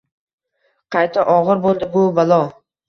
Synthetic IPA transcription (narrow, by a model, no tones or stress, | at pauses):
qʰɑjt̪ʰaʔɒʁɨɾbolˠd̪ɪbʊbalˠɒ